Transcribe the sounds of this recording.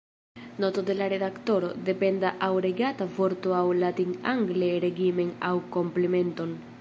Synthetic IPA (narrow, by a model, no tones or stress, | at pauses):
not̪od̪elaɾeðakt̪oɾod̪epend̪aʔawɾeɡat̪avoɾt̪oawlat̪iŋa̰ŋɡleɾeɡimeŋawkomplemẽnt̪oŋ